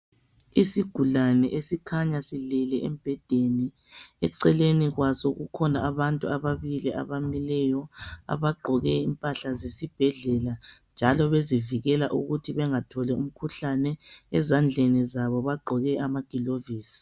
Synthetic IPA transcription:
isiɡ̥ʱulanɛʔesikʰaɲasilɛlɛʔɛ̰mb̥ʱɛd̥ʱeni | ɛǀɛleniɣwasoɣukʰɔnaaβantʼuaβaβilia̰βamilɛjɔa̰βaɡ͡ǃʱɔɣɛimpʼaɬazesib̥ʱɛɮɛland͡ʒʱalɔβeziviɣɛlaʔṵɣutʰiβɛŋatʰɔlɛum̩kʰuɬanɛɛzand͡ɮʱɛnizaβɔβaɡ͡ǃʱɔɣɛʔamaɡ̥ʱiloviːsi̥

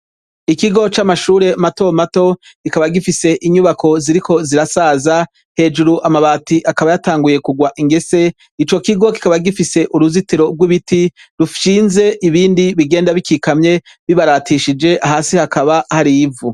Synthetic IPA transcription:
ikiɡo̞t͡ʃamaʃuːɾe̞mato̞mato̞ | ikaβaɡifise̞ʔiɲuβakʰo̞ziɾikʰo̞ziɾasaːza | he̞ːd͡ʒuɾuʔamaβaːtiʔakaβajataːŋɡuje̞kuɡwaʔiŋɡe̞se̞ | it͡ʃo̞kiɡo̞ki̥kaβaɡifise̞ʔuɾuzitiɾo̞ɡwiβitiɾufʃiːnze̞ʔiβiːndiβiɡe̞ːndaβikikamɲe̞ | βiβaɾaːtiʃid͡ʒe̞ʔaɦaːsihakaβahaɾivu

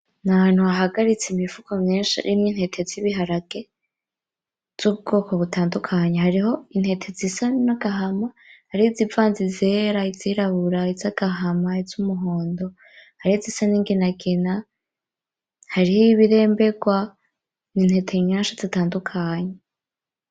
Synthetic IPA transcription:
naan̥huaɦaɡaɾit͡seimifukamŋeːnʃḭɾʔimŋinhe̞tʰeziβiɦaɾaɡ̥e | z̥uβ̚ɡo̞ːkʰo̞βutʰaːndukʰaɲahaɾiɦo̞in̥he̞tʰezisanaɡaɦama | haɾiizivaːnzizeːɾaiziɾaβuɾaizaɡ̥aɦamaiz̥umuɦo̞ːndo̞ | haɾihizisaniːŋɡinaɡina | haɾihiβiɾe̞ːmbe̞ɡwa | ninhe̞tʰeiɲaːnʃazitaːndukʰaɲe

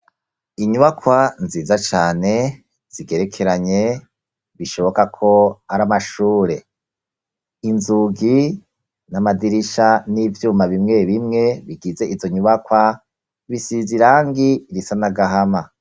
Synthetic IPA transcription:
iɲuβakwanziːzat͡ʃaːne̞ | z̥iɡe̞ɾe̞kʰe̞ɾaɲe̞ | βiʃo̞βo̞kakʰo̞aɾamaʃuːɾe̞ | inzuɡi | namadiɾiʃanivjuːmaβimŋe̞βimŋe̞βiɡize̞ʔivo̞ɲuβakwa | βisiziɾaːŋɡiɾisanaɡaɦama

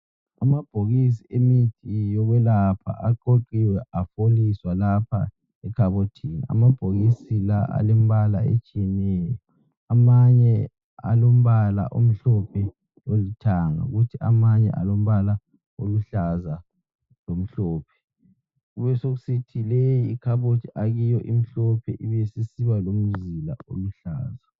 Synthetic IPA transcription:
amab̥ʱoɣis̬iemitʰʼijɔɣwɛlapʰa̰ʔaǃoǃiwɛʔafoliswalapʰa̰ | ɛkʰaβotʰinḭa̰mab̥ʱoɣisilaʔa̰lem̩βalaḛt͡ʃʼijɛnɛːjɔ | amaɲɛ | a̰lom̩βala̰ʔom̩ɬɔpʰɛ | olitʰaŋa̰ɣutʰiamaɲɛ̰ʔa̰lom̩βala | oluɬaza | lom̩ɬɔːpʰɛ̥ | ɣuβɛsoɣusitʰilejiːkʰaβotʰiʔaɣijɔʔim̩ɬɔpʰɛʔiβesisiβalomuzila̰o̰luɬaːza

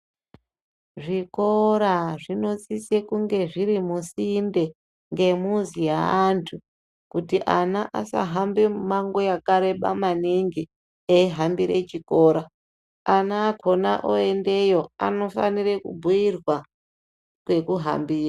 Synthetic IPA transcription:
ʐiko̞ɾaʐino̞t͡sisekuŋɡe̞ʐiɾimusinde̞ | ŋɡe̞muzijaantʰu | kutiʔanaʔasa̰ɦambemaŋɡojakaɾe̞ɓamaniŋɡi | eiɦambiɾe̞̰t͡ʃiko̞ːɾa | anaːkʰo̞na̰ʔoe̞nde̞jo̞a̰no̞fa̰nirekṵbʱujirwa | kwe̞kuɦa̰mbiːra

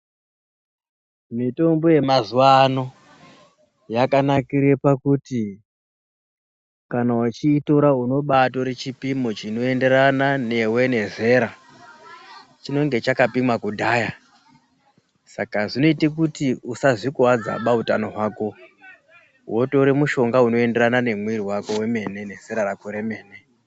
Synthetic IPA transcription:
mito̞mbo̞je̞mazuwano̞ | jakanakiɾepakuti | kanaut͡ʃiːto̞ɾauno̞ɓato̞ɾe̞t͡ʃipimo̞t͡ʃino̞e̞nde̞ɾanane̞we̞ne̞ze̞ɾa | t͡ʃino̞ŋɡe̞t͡ʃakapimwakudʱaːja | sakaʐino̞itikutiusaʐikuwad͡za̰ɓautanoɦwaːko̞ | woto̞ɾemuʃo̞ŋɡauno̞e̞nde̞ɾanane̞mwiɾiwako̞we̞me̞ne̞ne̞z̥e̞ɾarakuɾe̞me̞ːne̞

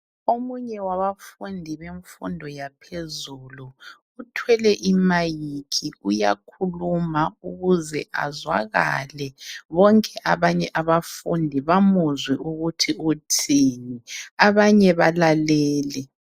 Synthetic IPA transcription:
omuɲɛwaβafundʱiβeɱfṵndʱɔjapʰezuːlu | utʰwɛlɛʔimajikʰiuja̰kʰulumauɣuzɛ̰ʔa̰zwa̰ɣa̰lɛβɔŋkʼɛʔaβaɲɛʔaβafṵndʱiβamuzwɛʔuɣutʰiutʰiːniaβaɲɛβalalɛːlɛ

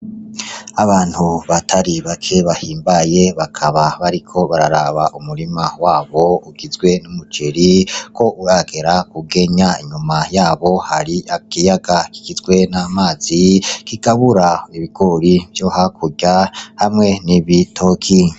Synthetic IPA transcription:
aβaːn̥huβatʰaɾiβakʰe̞βahiːmbaje̞βakʰaβaβaɾikʰo̞βaɾaɾaβaʔumuɾimawaːβo̞uɡizɡwe̞numut͡ʃeɾikʰo̞ʔuɾaɡe̞ɾakuɡe̞ɲaiɲumajaːβo̞haɾiakijaɡaki̥ɡ̥izɡwe̞namaːz̥ikiɡ̥aβuɾaiβiɡoɾivjohakʰuɟahamŋe̞niβitʰokʰi

